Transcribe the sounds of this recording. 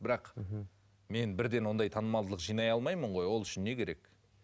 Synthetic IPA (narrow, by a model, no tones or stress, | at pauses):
bɪɾɑq | me̞nbɪɾd̪e̞nwo̞nd̪ɑjt̪ʰɑnəmɑlˠd̪ələqʒijnɑjɑlˠmɑjməɴʁo̞jwo̞lˠʏʃɪnːe̞kʲʰe̞ɾe̞k